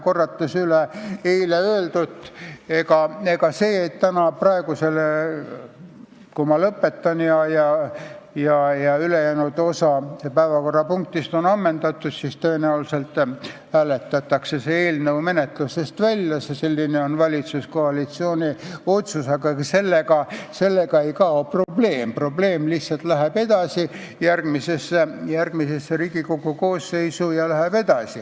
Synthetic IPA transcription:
ko̞rːɑt̪ːˑusyleejleøːld̪ut̪ːˑe̞kɑe̞kɑse̞ːet̪t̪ːænɑprɑe̞ɡ̥use̞le | kumɑlɤpːe̞t̪ːɑnjɑjɑ | jɑjɑylejæːnud̪o̞sɑpæevɑko̞rːɑpuŋk̚t̪ist̪o̞nɑmːend̪ɑt̪ːˑud̪̥sist̪øenæulse̞lt̪ːˑhæːle̞t̪ːˑɑt̪ːˑɑkse̞seeːlnɤwme̞ne̞t̪lusest̪vælʲjɑsese̞lʲːineo̞nvɑlʲit̪susko̞ɑlit̪sio̞ːnʲio̞t̪suseɡɑekɑse̞lːeɡɑse̞lːeɡɑe̞jkɑopro̞ble̞ːmpro̞ble̞ːmliht̪sɑlt̪læɦæb̥e̞d̪̥ɑsi | jærɡ̥misesːejærɡ̥mise̞sːeɾiːɡ̥ikoɡuko̞ːsːe̞jsujɑlæhæb̥e̞d̪̥ɑsi

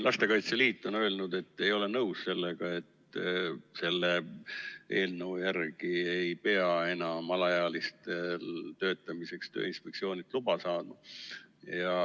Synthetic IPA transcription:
lʔɑst̪e̞kɑjt̪seliːt̪ːˑo̞nø̞lnud̪̥e̞t̪ːe̞jo̞le̞nɤwsse̞lːeɡ̥ɑe̞t̪ː | se̞lːe | ʔe̞̰ːlnəujærɡ̥iejpe̞ɑe̞nɑmɑlɑjɑːlist̪elt̪ø̞ːt̪ːˑɑmise̞kst̪ø̰ːinspek̚tsio̞ːnit̪lub̥ɑsɑːd̪̥mɑjjɑ

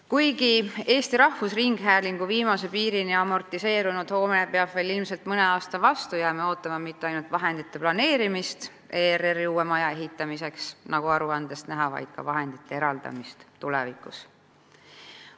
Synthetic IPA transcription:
kujɡie̞ːst̪iɾɑhvusriŋɡ̥ɦæːliŋɡ̥uviːmɑse̞piːɾiniɑmo̞rt̪ˑise̞ːɾunud̪̥ho̞ːmepeɑb̥ve̞ːlilmselt̪mɤne̞ɑːst̪ɑvɑst̪ujæːmeo̞ːt̪ːˑɑmɑmit̪ˑːeɑjnult̪vɑɦe̞nd̪̥it̪ːe̞plɑne̞ːɾimist̪ | eːreriuːemɑjɑeɦit̪ːˑɑmise̞ksnɑɡ̥uɑɾuɑnd̪̥e̞st̪næɦɑvɑ̰jd̪̥kɑ̰vɑɦe̞nd̪̥it̪ːe̞eɾɑld̪̥ɑ̰mist̪t̪ulḛvikˑus

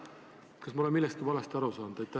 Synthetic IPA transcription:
kɑsmɑolemilːest̪̚kivɑlest̪ɑɾusɑːnd̪̥et̪ːæ

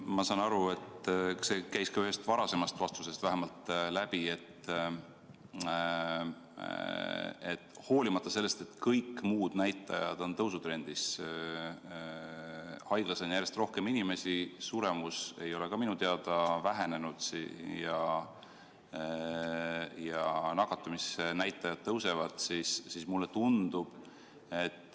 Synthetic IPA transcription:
mɑsɑnɑɾue̞t̪se̞kæjskɑyɦe̞st̪vɑɾɑse̞mɑst̪vɑst̪use̞st̪væɦemɑlt̪ːˑlæb̥ie̞t̪ː | ḛt̪ːˑ | ho̞ːlimɑt̪ˑːɑse̞lːe̞st̪e̞t̪ːkɤjkːmuːd̪̥næjt̪ːˑɑ̰jɑ̰d̪̥o̞nt̪ɤwsut̪ɾe̞nd̪̥is | hɑjɡ̥lɑsenjærje̞st̪ro̞hke̞minime̞sisuɾe̞muse̞jo̞le̞kɑminut̪eɑd̪ɑvæɦe̞ne̞nud̪̥sijɑ | jɑnɑɡ̥ɑt̪ːˑumisnæjt̪ːˑɑjɑd̪̥̚t̪ɤwse̞vɑd̪̥sisːiːsmulːe̞t̪und̪̥ub̥ | e̞t̪ːˑ

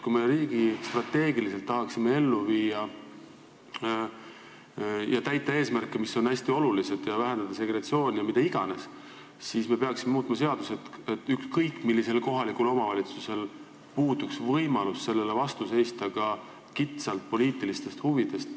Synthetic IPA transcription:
kujmeɾiːɡ̥ist̪rɑt̪ːe̞ːɡilise̞lt̪ːɑɦɑksimːe̞e̞lːuviːjɑ | jɑt̪æjt̪ːˑɑeːsmærkːˑemiso̞næsʲt̪io̞lulise̞d̪̥jɑvæɦe̞nd̪ɑd̪̥ɑse̞ɡɾet̪sio̞ːnʲjɑmit̪eiɡ̥ɑ̰ne̞s | sisme̞peɑksime̞muːt̪mɑse̞ɑd̪̥use̞t̪et̪ːykskɤjkːˑmilːise̞lko̞ɦɑlikulo̞mɑvɑlʲit̪suse̞l | puːd̪̥uksvɤjmɑlusse̞lːe̞levɑst̪use̞jst̪ɑkɑ | kit̪sɑlt̪̚po̞liːt̪ːˑilist̪e̞st̪huvid̪̥e̞st̪

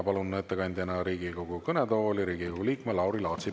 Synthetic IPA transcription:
pɑlunːett̪ːekɑnʲd̪̥ʲjɑnɑɾiːɡiko̞ɡukɤnɛt̪oːolʲiɾiːɡikoɡuliːkkmelɑwɾilɑːt̪si

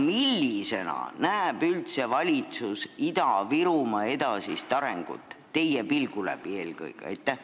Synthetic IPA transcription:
milːise̞nɑ̰næːb̥ylt̪se̞vɑlʲit̪susid̪̥ɑviɾumɑe̞d̪̥ɑsist̪ɑɾeŋɡ̥ṵt̪ˑːe̞jepilɡ̥ulæ̰bie̞ːlkɤ̰jkɑ̰jt̪ːæh

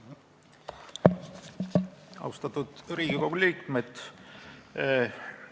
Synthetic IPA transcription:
ɑ̰wst̪ɑt̪ːud̪̥ɾiːɡ̥ikowɡ̥uliːkmet̪

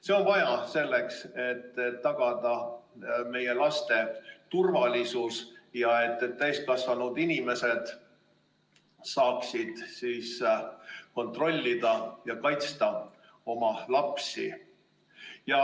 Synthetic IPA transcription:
se̞o̞nvɑjɑse̞lːe̞kse̞t̪ːetːɑɡ̥ɑd̪ɑ | me̞je̞lɑst̪e̞t̪urvɑlʲisusjɑe̞t̪ːˑt̪ːæjst̪̚kɑsvɑnud̪inʲime̞se̞d̪̥ | sɑːksid̪̥siːs | ko̞nt̪ro̞lʲːid̪̥ɑjɑkɑjt̪st̪ɑ | o̞mɑlɑpsḭ | jɑ

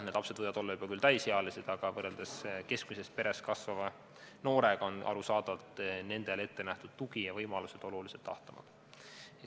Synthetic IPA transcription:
ned̪lɑpsed̪̥ɤjvɑd̪̥o̞lːɑub̥ɑkylt̪æjsheɑlised̪̥ɑɡ̥ɑvɤrːeld̪eske̞skmise̞st̪̚pe̞ɾe̞skɑsvɑvɑ | no̞ːɾe̞ɡ̥ɑo̞nʔɑ̰ɾusɑːd̪ɑt̪ne̞nd̪e̞le̞t̪ːe̞næht̪ud̪̥̚t̪uɡ̥ijɑvɤjmɑluse̞d̪̥o̞luliset̪ːɑ̰ht̪ɑmɑ̰d̥̪

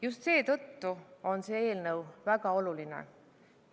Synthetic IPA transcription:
just̪se̞ːt̪ɤ̞t̪ːuo̞nseːe̞ːlnɤwvæɡɑo̞lulinḛ

